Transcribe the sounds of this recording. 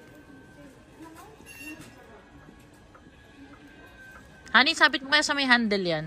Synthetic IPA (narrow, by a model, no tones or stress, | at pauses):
haːnisaːbɪt̪̚mokɐjosɐmɐjɦand̪ɛljan